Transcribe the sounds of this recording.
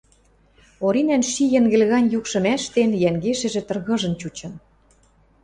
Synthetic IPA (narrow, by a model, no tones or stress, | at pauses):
oɾinænʃijɘ̆ŋɡɘ̆lɣɑnʲjukʃɤ̆mæʃt̪enjæŋɡeʃɘ̆ʒĕt̪ɤ̆rɣɤ̆ʒɤ̆nt͡ɕut͡ɕɤ̆n